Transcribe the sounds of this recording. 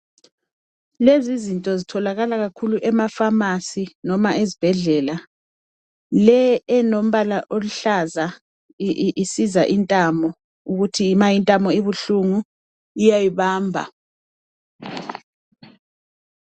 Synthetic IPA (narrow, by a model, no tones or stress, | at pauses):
lezizintʼɔzitʰɔlaɣalaɣakʰuluʔɛmafamasinɔmaʔezib̥ʱɛɮɛla | lɛɛnom̩βalaʔoluɬaza | ʔisizaʔintʼamɔ | uɣutʰimajintʼamɔiβuɬuŋu | ijajiβaːmbʱa̰